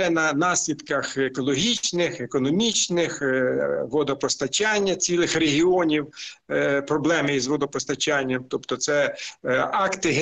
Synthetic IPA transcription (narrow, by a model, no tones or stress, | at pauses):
ɛnɐnɑsʲlʲid̪kɐxekɔlˠɔɦʲit͡ʃnɪxekɔnɔmʲit͡ʃnɪx | ʋɔd̪ɔpɔst̪ɐt͡ʃɑnʲːɐt͡sʲilˠɪxreɦʲiɔnʲiw | pɾɔblˠɛmɪjizʋɔd̪ɔpɔst̪ɐt͡ʃanʲːɐmt̪ɔpt̪ɔt̪sɛ | ɑkt̪ɪɦ